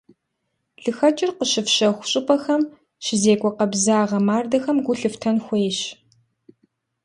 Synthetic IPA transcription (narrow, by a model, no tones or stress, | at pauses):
ɮɨxɐt͡ʃʼɪrqəɕɨfɕɐxʷʊɕʼɪpʼɐxɐm | ɕɪzeːkʷʼɔqɐbzaːʁɐmaːrdɐxɐmɡʷʊɬɨftʰɐnxʷeːɕ